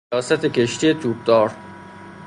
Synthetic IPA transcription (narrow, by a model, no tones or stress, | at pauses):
ɒːsæt̪ʰe̞kʲʰe̞ʃt̪ije̞t̪ʰuːb̚d̪ɒːɾ